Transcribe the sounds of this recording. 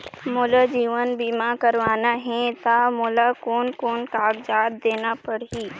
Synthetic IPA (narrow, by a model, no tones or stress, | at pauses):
mʊlad͡ʒiːʋənbiːmakəɾʋaːnaɦɛ̃t̪amʊlakoːnkoːnkaːɡd͡ʒaːt̪d̪eːnapəɽɦiː